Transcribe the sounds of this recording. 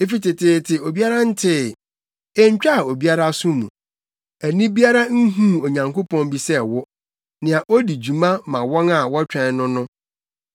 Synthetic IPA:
e˦fi˦˨tɪ˨tʰɪ˨tʰɪ˨o˨bi˦a˦ɾa˦n̩˦tʰɪ˦ | ɛ˦ɲ˦t͡ɕᶣa˦˨o˨bi˦a˦ɾa˦sʊ̃˦mṵ̃˨ | æ˨nĩ˦bi˦a˦ɾa˦n̩˦ɦũ˦˨o˨ɲã˨ŋko˦pʰɔ̃˦nbi˨sɛ˦wʊ˦ | nɪ̃˨a˨ʔo˦di˨d͡ʑu˨mã˦mã˨wɔ̃˦na˨wɔ˦t͡ɕᶣɛ̃˨˦nʊ̃˦nʊ̃˦

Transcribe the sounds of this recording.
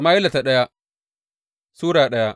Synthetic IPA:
maː˦ɪ˦la˨ta˨ɗɐ˦ja˦ | suː˦ɾaː˨ɗɐ˦ja˦

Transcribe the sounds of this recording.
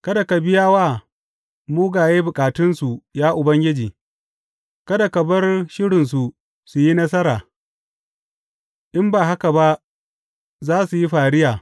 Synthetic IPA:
kɐ˦da˨ka˨bɪ˦jaː˦waː˦ | muː˦ɡaː˨jeː˦bʊ˨kʼaː˨tɪ˦nsu˨jaː˦ʔʊ˨bɐ˦ŋɡʲɪ˦d͡ʒiː˨ | kɐ˦da˨kɐ˨bɐ˦rʃɪ˦ɽɪ˨ns̬u˨ | su˨ji˦nɐ˦s̬ɐ˦ɾaː˨ | ʔɪ˦mbaː˨ɦa˦ka˨ba˦ | zaː˦su˨ji˦ɸaː˨ɽɪ˦jaː˨

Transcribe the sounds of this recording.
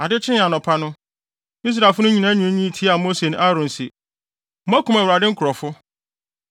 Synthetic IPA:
a˨dɪ˦t͡ɕʰɪ̃˦n˦ã˨nɔ̃˨pʰa˦nʊ̃˦ | i˦s̬ɾa˨fʊ˦nʊ̃˦ɲĩ˨nã˦ɲʊ̃˨˦ĩ˦˨tʰi˦a˨mo˦se˨ñ˦ʔa˦ɾʊ̃˨n˨sɪ˨ | m̩˦ã˦kũ˨mæ˨wɾa˨dɪ˦ŋ̩˦kʰʊ˨ɾɔ˨fʊ˦

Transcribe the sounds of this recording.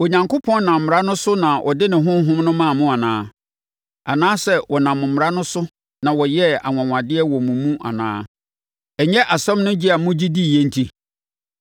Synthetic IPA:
o˨ɲã˨ŋkʊ˦pʰɔ̃˦nnã˨m̩ː˨m˨ɾa˦nʊ̃˦sʊ˦nã˨ʔɔ̰˨dɪ˦nɪ̃˨ɦʊ̃˦m˦ɦʊ̃˦mnʊ̃˦mã˦˨mʊ̃˦a˨nã̰ː˦ | a˨nãː˦sɛ˦wʔɔ˨nã˨mʊ̃˨m˨ɾa˦nʊ̃˦sʊ˦ | nã˨wɔ˨jɛ˦a̰˨ŋã˨ŋã˨dɪ˦ɛ˦wɔ˨mũ˨mũ˦ʔa̰˨nã̰ː˦ | ɛ˨ɲɛ˦ʔa˨sɛ̃˦mnʊ̃˦d͡ʑi˦a˨mʊ̃˦d͡ʑi˦di˦˨je˦n̩˦tʰi˦

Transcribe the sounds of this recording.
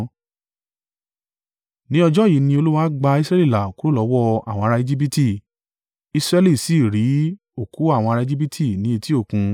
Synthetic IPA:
nĩ˦ɔ˧d͡ʒɔ˦˨ji˨˦nĩ˧o˧lu˦wa˦ɡ͡ba˧i˧sɾɛ˦li˦˨la˨ku˨˦ɾo˦lɔ˨˦wɔ˦a̰˨w̃ɔ̃˧ɾa˧e˧d͡ʒi˦bi˦ti˦˨ | i˧sɾɛ˦li˦˨si˨˦˨ɾi˨˦ | o˦˨ku˨˦a˦˨w̃ɔ̃˧ɾa˧e˧d͡ʒi˦bi˦tʰi˦˨nĩ˨˦e˧ti˦o˦˨kũ˧

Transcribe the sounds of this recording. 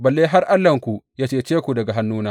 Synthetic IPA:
bɐ˨lːeː˦ɦa˦rʔa˦lːɐ˨ŋkʷu˨ʔjaː˦t͡ʃeː˦˨t͡ʃeː˦kʷu˨dɐ˨ɡa˨ɦa˦nːuː˦naː˦

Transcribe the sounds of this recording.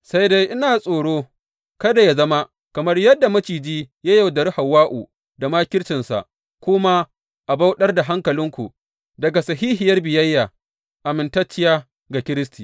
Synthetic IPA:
sa˦jde˦jʔɪ˦naː˨sʼoː˨ɽoː˦ | kɐ˦da˨ja˦zɐ˦ma˦ | kɐ˨mɐ˦rjɐ˦dːa˨mɐ˦t͡ʃiː˨d͡ʒiː˦ja˦ja˨wdɐ˨ɾha˨wːaː˦ʔṵː˨ | da˨maː˦kʲɪ˦ɽt͡ʃɪ˨nsa̰˨ʔ | kʷʊ˦ma˦ | ʔa˨ba˦wɗɐ˦rda˨ɦa˦ŋkɐ˨lɪ˦ŋkʷṵ˨ | dɐ˨ɡa˨sɐ˨ɦiː˦ɦɪ˨jɐ˦rbɪ˨jɐ˦jːaː˨ | ʔa˨mɪ˨ntɐ˦t͡ʃːɪ˦jaː˦ | ɡa˨kʲɪ˦ɾɪ˦stiː˨

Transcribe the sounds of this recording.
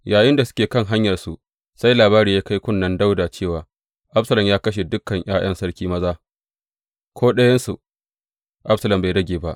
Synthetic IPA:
jaː˨jɪ˦nda˨sʊ̥˦kʲeː˨kɐ˦ŋɦa˦ɲjɐ˨rsu˦ʔ | sa˦jlaː˨baː˦ɾiː˨jaː˦ka˦jkʷʊ˦nːɐ˦nda˦wda˨t͡ʃeː˦˨waː˨ | ʔa˦bsɐ˨lɐ˨mjaː˦kɐ˦ʃ̬e˨dʊ˦kːɐ˨ɲʔaː˦j̰ɐ˦nsɐ˦ɽkʲiː˦mɐ˦zaː˦ | kʰʷoː˦ɗɐ˦jɐ˦nsu˨ | ʔa˦bsɐ˦lɐ˨mba˨jdɐ˦ɡʲeː˨ba̰˦ʔ

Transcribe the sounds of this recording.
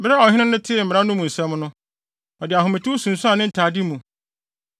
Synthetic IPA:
bɪ˦ɾa˦ɔ˨hɪ˦nɪ̃˦nʊ̃˦tʰɪ˦˨m̩˨mɪ˨ɾa˦nʊ̃˦mũ˨n̩˨sɛ̃˦mnʊ̃˦ | ɔ˨dɪ˨a˨ɦʊ˨mɪ̃˨tʰɪ˦u˦sũ˨n̩˨sʊ˦a˨nɪ̃˦n̩˨tʰaː˨di˦mũ˨

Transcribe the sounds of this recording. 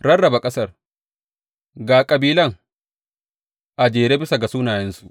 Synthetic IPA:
ɽɐ˦rːɐ˨ba˨kʼɐ˦sɐ˦r | ɡaː˨kʼɐ˨biː˦lɐ˦˨ŋ | ʔa˨d͡ʒeː˨ɾeː˦bɪ˦sa˨ɡa˨suː˦naː˨jɛ˦nsu˨ʔ

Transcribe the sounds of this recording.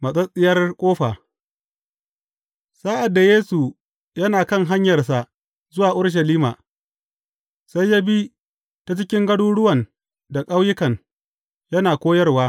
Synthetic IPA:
mɐ˨sʼɐ˦sʼɪ˦jɐ˦rkʷʼoː˦ɸaː˨ | saː˦ʔa˨dːa˨jeː˦su˨ | jɐ˦naː˨kɐ˦ŋɦa˦ɲjɐ˨rs̬a˨ʔ | zʊ˦waː˨ʔʊ˦ɽʃ̬ɐ˨liː˦ma̰ː˨ | sa˦jːa˦bi˦ | ta˦˨t͡ʃɪ˦kʲɪ˦ŋɡɐ˦ɽuː˦ɽʊ˦wɐ˨n | da˨kʼa˦wjɪ˦kɐ˨n | jɐ˦naː˨kʷoː˦jɐ˦rwaː˦

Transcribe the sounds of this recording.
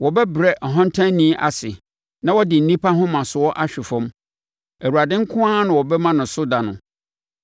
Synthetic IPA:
wɔ˨bɛ˦bɾɛ˦ʔɔ˨ɦɔ̃˦n˦tʰã˦nnːĩ˦ʔa̰˨sɪ˨ | nã˦wɔ˦dɪ˨n̩˨nĩ˦pʰa˦ɦʊ̃˦mã˨sʊ˨ɔ˦ʔa˦ɕᶣɪ˨fʊ̃˦m | æ˨wu˨ɾa˨dɪ̃˦ŋ̩˦kʰʊ̃˦aː˦nʊ̃˨wɔ˨bɛ˦mã˦nʊ̃˨sʊ˦da˨nʊ̃˨

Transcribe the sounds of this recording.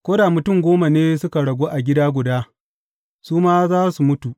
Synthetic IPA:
kʷoː˦da˨mʊ˨tʊ˦˨ŋɡʷoː˦ma˨neː˦sʊ˦ka˨ɽɐ˨ɡʷoː˦ʔa˨ɡʲɪ˦daː˦ɡʷʊ˨daː˦ | suː˦maː˦zaː˦su˨mʊ˦tu˨ʔ

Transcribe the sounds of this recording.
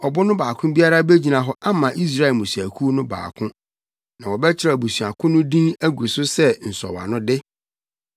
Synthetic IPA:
ɔ˨bʊ˦nʊ̃˦baː˨kʰʊ̃˦bi˦a˦ɾa˦be˦d͡ʑi˨nã˨ɦɔ˦ʔa˦mã˨ʔi˦s̬ɾa˦ɛ˨mʊ̃˨si˨æ˨kʰu˦nʊ̃˦ba̰ː˨kʰʊ̃˦ | nã˨wɔ˨bɛ˦t͡ɕʰɪ˦ɾa˨bu˨sɥa˨kʰʊ̃˦nʊ̃˦dĩ˦ŋæ˦ɡʷu˨sʊ˦sɛ˦n̩˨sɔ̰˨wa̰˨nʊ̃˦dɪ˦

